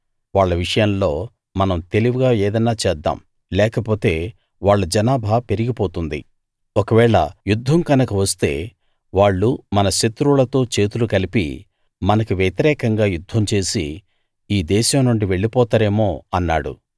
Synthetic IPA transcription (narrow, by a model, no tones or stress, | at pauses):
ʋaːɭːɐʋiʂɐjɐmlo̞ː | mɐnɐmt̪e̞liʋuɡaːeːd̪ɐnːaːt͡ʃɛːd̪ːa̰ːm | lɛːkɐpo̞ːt̪e̞ː | ʋaːɭːɐd͡ʒɐnaːbʱaːpe̞ɾiɡipoːt̪und̪ḭ | okɐʋɛːɭɐ̰jud̪ʱːɐmkɐnɐkɐʋɐst̪e̞̰ː | ʋaːɭːumɐnɐʃɐt̪ɾulɐt̪o̞ːt͡ʃe̞ːt̪ulukɐlipḭ | mɐnɐkuʋjet̪iɾɛːkɐŋɡaːjud̪ʱːɐmt͡ʃe̞ːsḭ | iːd̪ɛːʃɐmnuɳɖiʋe̞ɭːipɔːt̪aːɾe̞ːmo̞ːɐnːa̰ːɽṵ